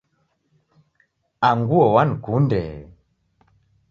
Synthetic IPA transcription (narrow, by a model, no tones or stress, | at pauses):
aŋɡuɔwankundɛ̰